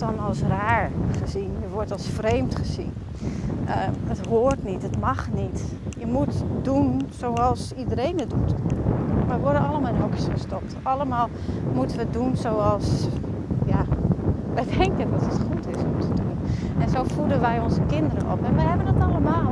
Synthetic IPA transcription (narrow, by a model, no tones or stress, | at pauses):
tɔlˠəmalˠsraːɹχəzinjəʋɔɹtɑlˠsfrejmtχəzḭn | ʔəətɦoərtnitətmaxnit | jəmutdunsoːɑlˠsidəɾeːnədut | ʋɛjʋɔdənɑlˠəmaːlˠɪnɦɔkə̥sxəstɔp̚tɑləmaːlˠmutənʋədunsowɑlˠs | ja | ʋɛjdɛŋkəndɑtətχutʰɪsɔmtʰədunɛnzoːfudənʋɛjɔnzəkɪndəɾə̰nʔɔ̰pɛnʋɛjhɛbənətnaləmaːlˠ